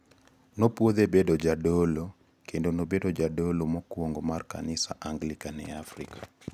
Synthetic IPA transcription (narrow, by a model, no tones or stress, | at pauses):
nopwod̪ebedod͡ʒadolo | kendonobedod͡ʒadolomɔkwoŋɡomarka̰nɪsaʔaŋɡlikanɛafrikḁ